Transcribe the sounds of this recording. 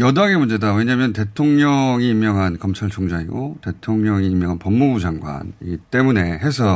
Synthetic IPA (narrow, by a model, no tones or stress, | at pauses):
jʌdaɡemund͡ʑe̞dawe̞ɲamjʌnte̞tʰoŋɲʌŋiimːjʌŋɦankʌmt͡ɕʰaɭt͡ɕʰoŋd͡ʑaŋḭɡote̞tʰoŋɲʌŋiːmjʌŋɦanpʌmmubud͡ʑaŋɡwa̰nit͈e̞mune̞ɦe̞sʰʌ